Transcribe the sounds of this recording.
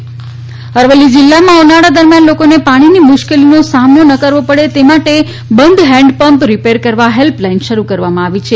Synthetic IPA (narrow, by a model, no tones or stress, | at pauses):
əɾʋəlːid͡ʒɪlːamãonaɽad̪əɾmjanlokonepaɽ̃inimʊʃkelinosamnonəkəɾʋopəɽet̪emaʈe | bənd̪ɦɛ̃ɳɖpəmpɾipeɾkəɾʋaɦelplainʃəɾukəɾʋamãaʋit͡ʃʰe